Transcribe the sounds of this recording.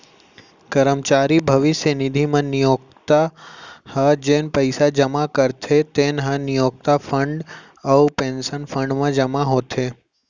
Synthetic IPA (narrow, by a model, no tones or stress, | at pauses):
kəɾəmt͡ʃaɾibʱəʋɪsjənid̪ʱimãnijok̚t̪ahəd͡ʒenpəjsad͡ʒəmakəɾt̪ʰet̪enɦə̃nijok̚t̪afəɳɖ | əpẽnsənfə̃ɳɖmãd͡ʒəmaɦot̪ʰe